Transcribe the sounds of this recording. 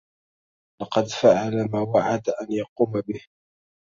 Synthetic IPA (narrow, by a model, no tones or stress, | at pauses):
lɑqɑd̪faʕalamaːwaʕad̪aʔanjɑquːmabɪh